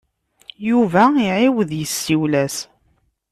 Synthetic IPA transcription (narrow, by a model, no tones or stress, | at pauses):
juvæiʕɪwəðjəsːiwlæs